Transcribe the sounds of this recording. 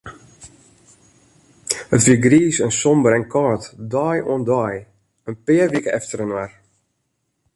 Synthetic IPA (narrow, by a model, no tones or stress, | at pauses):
hətʋiəɡriːsɛnsɔmbəɾɛnkʰɔːtdɔjo̰əndɔj | ənpɪːərʋikəɛftərənwar